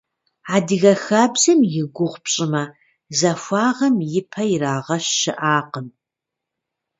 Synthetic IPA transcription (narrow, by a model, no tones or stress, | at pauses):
aːdɨɣɐxaːbzɨmjɪɡʷʊʁʷpɕʼɪmɐ | zɐfʷɑːʁɐmjɪpʰɐjɪraːʁɐɕːɪʔaːqəm